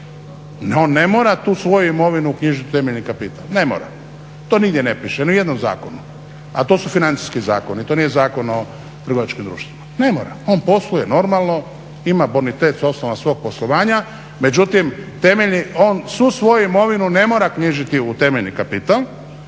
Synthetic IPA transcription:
neo̞ːnːemo̞ːɾat̪uːsʋo̞juimo̞ʋinuukɲiʒit̪iu̥t̪emeʎnikapit̪alne̞mo̰ɾa̰ | t̪oniɡd̪jenepɾiʃeniuje̞d̪nomza̰ːkonu | at̪o̞ːsufinant̪si̥skiza̰ːko̞nit̪o̞ːnijezaːko̞no | t̪ɾr̩ɡo̞ʋat͡ʃkimd̪ɾṵːʃt̪ʋimane̞moːɾa̰o̞npo̞sluje̞no̞ɾmalˠno̞ | imabonit̪et̪so̞snoʋasʋo̞ːɡ̚po̞slˠoʋaːɲa | me̞d͡ʑut̪imt̪e̞meʎnio̞ːnsʋusʋo̞juimo̞ʋinune̞moːɾakɲiʒit̪iut̪e̞meʎnikapit̪alˠ

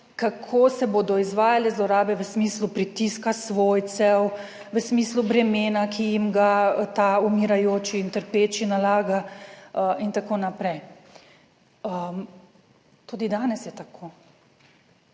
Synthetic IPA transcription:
kakʰoːsɛboːd̪ɔizʋaːjalɛzlɔɾaːbɛʋəsmiːslupɾit̪iskasʋoːjt̪sɛw | ʋəsmiːslubɾɛmeːnakʰijimɡat̪aumiɾajoːt͡ʃiːnt̪əɾpeːt͡ʃinalaːɡa | int̪akoːnapɾɛj | əm | t̪ud̪id̪aːnɛsjɛt̪akʰoː

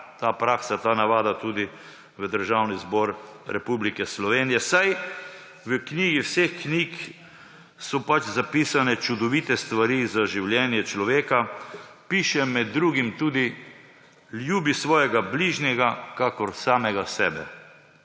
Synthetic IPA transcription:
t̪aːpɾaːksat̪aːnaʋaːd̪at̪uːd̪i | ʋəd̪əɾʒawnizbɔɾɾɛpublikɛslɔʋeːnijɛsaj | ʋəkniːɡiwsexknik | sɔpat͡ʃzapiːsanɛt͡ʃud̪ɔʋit̪ɛst̪ʋaɾizaʒiwljɛːnjɛt͡ʃlɔʋeːkapiːʃɛmɛd̪ːɾuːɡimt̪uːd̪i | ljuːbisʋɔːjɛɡabliʒnjɛɡakakɔɾsaːmɛɡasɛ̰ːbɛ̰

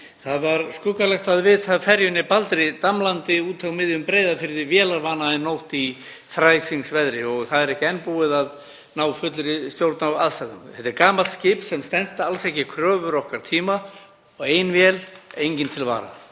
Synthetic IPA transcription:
θaðvaɾskʏkalɛxt̪aðvɪːt̪ʰafɛɾjʏnɪpalt̪ɾɪt̪amlant̪ɪuːt̪ʰawmɪðjʏmpɾejðafɪɾðɪvjɛːlaɾvaːnaɛnːowht̪i | θɾaːjsiŋksvɛðɾɪɔɣθaðɛɾɛhcɪɛnːpuɪðað | naːwfʏt̪lɾɪst̪jowɾt̪nawaðsaɣʏmθɛt̪ɪɾkaːmalt̪scɪːpsɛmst̪ɛnst̪alsɛhcɪkʰɾœːvʏɾɔhkaɾ̥t̪ʰiːma | ɔɣeːjnvjɛlejɲcɪnt̪ʰɪlva̰ːɾa̰

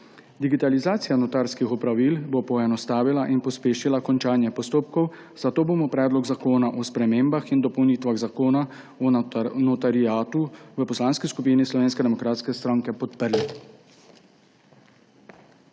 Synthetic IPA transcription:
d̪iɡit̪alizaːt̪sijanɔt̪aːɾskixɔpɾaʋilbopɔɛnɔst̪aːʋilaʔinpɔspeːʃilakɔnt͡ʃaːnjɛpɔst̪oːpkɔw | z̥at̪oːbomɔpɾɛːd̪lɔɡzakoːnaʔɔspɾɛmeːmbaxind̪ɔpɔwnit̪ʋaɣzakoːna | ɔnɔt̪aɾiaːt̪uʋəpɔslaːnskiskupiːnislɔʋeːnskɛd̪ɛmɔkɾaːt̪skɛst̪ɾaːŋkɛpɔt̪pəɾli

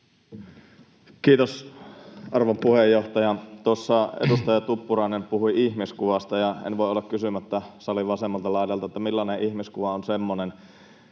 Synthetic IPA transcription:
kiːt̪os | ɑrʋɑmpuhejoht̪ɑjɑt̪osːɑḛd̪ust̪ɑjɑt̪upːurɑˑinempuhuiiçmiskuʋɑst̪ɑjɑḛnʋoeolːɑkkysymæt̪ːæsɑliʋɑsemːɑlt̪ɑlɑˑidɑlt̪ɑet̪ːæmilːɑneʔihmiskuʋɑonsemːonen

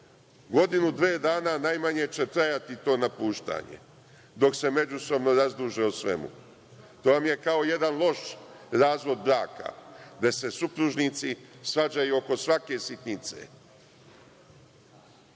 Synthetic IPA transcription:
ɡo̞d̪inud̪ʋeːd̪aːnanajmaɲe̞t͡ɕe̞t̪ɾajat̪it̪o̞ːnapuːʃt̪a̰ːɲe̞̰ | d̪o̞kse̞me̞d͡ʒuso̞bno̞ɾazd̪uʒeusʋe̞̰mṵ | t̪oːʋamje̞kao̞je̞d̪anlˠo̞ʃɾaːzʋo̞d̪̚bɾaːka̰d̪ese̞supɾuʒnit̪sisʋad͡ʑajuoko̞sʋake̞sit̪nit̪sḛ

